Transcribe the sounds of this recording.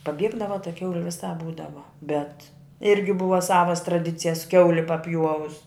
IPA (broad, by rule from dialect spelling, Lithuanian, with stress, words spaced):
pɐˈbʲiɛɡdɐʋɐ tɐ ˈkʲɛʊlʲɪ ʋʲɪˈsɑːp ˈbuːdɐʋɐ bʲɛt ˈɪrʲɡʲɪ ˈbʊʋɐ ˈsɑːʋɐs trɐˈdʲɪt͡sʲɪjɛs ˈkʲɛʊlʲɪ pɐˈpʲjuɔʋʊs